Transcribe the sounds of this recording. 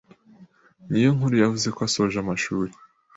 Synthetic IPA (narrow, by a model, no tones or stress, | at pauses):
nijo̞ŋhuɾujavuze̞koasoʒamaʃuːɾe